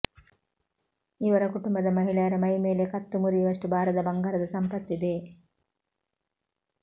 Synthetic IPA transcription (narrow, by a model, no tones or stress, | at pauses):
iʋɐɾɐkuʈumbɐd̪ɐmɐɦiɭɐjɐɾɐmɐjmeːlekɐt̪ːumuɾiʋɐsʈubʱaːɾɐd̪ɐbɐŋɡaːɾɐd̪ɐsɐmpɐt̪ːid̪eː